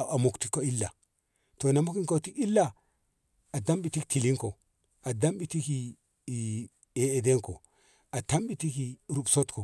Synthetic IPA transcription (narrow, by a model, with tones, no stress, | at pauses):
a˨mu˨kti˦kːo˦i˦lːa˨ | to˨na˨mu˦ki˦ŋko˦ti˦ki˦lːa˨ | a˨da˦mbi˨ti˦kti˨li˦ŋko˨ | a˨da˦mɓi˨ti˦ki˨ | e˨e˨de˦ŋko̰˨ | a˨ta˦mɓi˨ti˦ki˨ɾu˨bso˦tko˨